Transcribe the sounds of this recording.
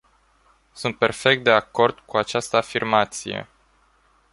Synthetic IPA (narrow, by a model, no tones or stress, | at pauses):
sunt̪̚pe̞̰rfe̞k̚t̪̚d̪e̞ako̞rd̪kuat͡ʃast̪əafirmat̪sije̞̰